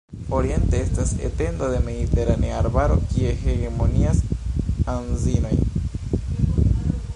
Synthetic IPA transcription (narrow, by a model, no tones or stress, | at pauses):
o̞ɾie̞nte̞estasḛte̞ndod̪eme̞d̪ite̞ɾaneaaɾbaɾo̞̰kie̞he̞ɣemo̞niasanzino̞j